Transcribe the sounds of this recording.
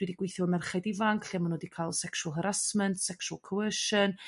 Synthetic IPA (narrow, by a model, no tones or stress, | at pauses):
d̥widiɡwɪjθjɔmɛrχadɪvaŋkʰɬiamanwdikʰalˠsɛkʃwəlˠɦəɾasməntʰsɛkʃwalˠkʰəwəʃən